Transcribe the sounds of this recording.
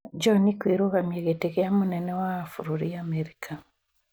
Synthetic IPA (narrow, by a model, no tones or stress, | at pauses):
d͡ʒɔnikweɾoɣamjeɣeteɣeamonɛnɛwaːfuɾuɾiamɛɾikʰa